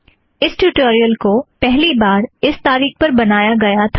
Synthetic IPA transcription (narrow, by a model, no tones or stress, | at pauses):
ɪsʈuːʈoːɾijəlkopɛɦlibaːɾɪst̪aːɾiːxpɐɾbɐnaːjaɡɐjat̪ʰː